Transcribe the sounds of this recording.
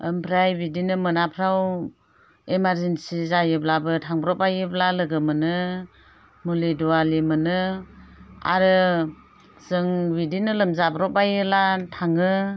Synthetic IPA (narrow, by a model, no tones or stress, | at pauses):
ɯmpʰɾajbidinɯmɯnapʰɾaw | emaɾzensizajɯblabɯtʰaŋbɾɔpajɯblalɯɡɯmɯnɯ | muliduwalimɯnɯ | a̰ɾɯ | zɯŋbidinɯlɯmzabɾɔpajɯlatʰaŋɯ